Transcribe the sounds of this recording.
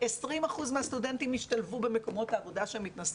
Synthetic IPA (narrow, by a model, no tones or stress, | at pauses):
esʁimaχuzmeast̪ude̞ntimiʃtalvube̞me̞ko̞mo̞t̪aːvo̞daʃeemit̪nas